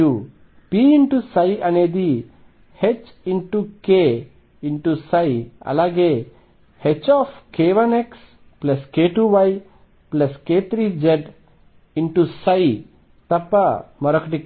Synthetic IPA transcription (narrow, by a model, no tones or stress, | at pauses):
u | piiɳʈusajʔɐned̪i | het͡ʃ | iɳʈuke | iɳʈusajiɐ̰laɡe | het͡ʃɔfkeʋɐneks | plɐskeʈuʋaj | plɐsket̪ʰɾid͡ʒeɖ | iɳʈusai | t̪ɐpamɔɾəkʈik